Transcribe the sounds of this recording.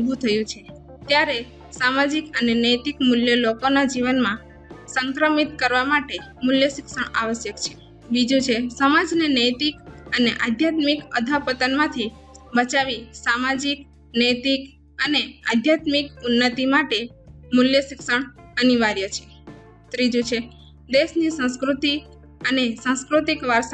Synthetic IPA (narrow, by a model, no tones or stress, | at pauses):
bʱut̪ʰəjũt͡ʃʰe | t̪jaɾe | samad͡ʒikənenəjt̪ikmuljəlokonad͡ʒiʋənmã | səŋkɾəmit̪̚kəɾʋamaʈemuljəʃɪkʃəɳa̰ʋəʃjəkt͡ʃʰe̥ | bid͡ʒũt͡ʃʰesəmad͡ʒnenəjt̪ikəneʔad̪ʱjat̪mikəd̪ʱapət̪ənmãt̪ʰi | bət͡ʃaʋisamad͡ʒik | nəjt̪ik | ənea̰d̪ʱjat̪mikunːət̪imaʈemuljəʃɪkʃəɳəniʋaɾjət͡ʃʰe̥ | t̪ɾid͡ʒũt͡ʃʰe | d̪eʃnisə̃skɾut̪i | ənesãskɾut̪ikʋəɾs